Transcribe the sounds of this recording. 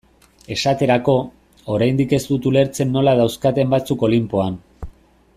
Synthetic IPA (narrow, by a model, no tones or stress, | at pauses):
e̞sat̪e̞ɾako̞ | oɾajnd̪ike̞zt̪ut̪ule̞ɾt͡se̞nːo̞lað̞awskat̪e̞mbat͡suko̞limpo̞an